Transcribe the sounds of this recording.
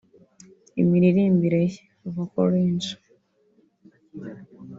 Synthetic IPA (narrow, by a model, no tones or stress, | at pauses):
ḭmiɾiɾiːmbiɾe | oβokoɾiːnt͡ʃu̥